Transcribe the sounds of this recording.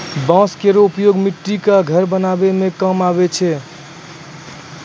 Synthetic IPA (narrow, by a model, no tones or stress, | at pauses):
bãskeɾoupjoɡmiʈːikaɡʱəɾbənabemekəmaβet͡ʃʰɛ